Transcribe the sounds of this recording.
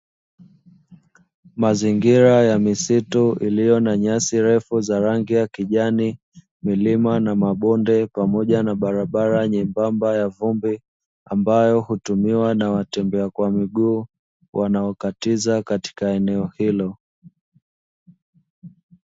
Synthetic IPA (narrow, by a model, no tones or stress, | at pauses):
maziŋɡiɾajamisituʔilijɔnaɲasiɾɛfuzaɾaŋɡijakiʄani | milimanamaɓɔndɛpamɔʄanaɓaɾaɓaɾaɲimbambajavumbi | ambajɔhutumiwanawatɛmbɛakwamiɡuː | wʔanaɔkatizakati̥kaɛnɛɔhilɔ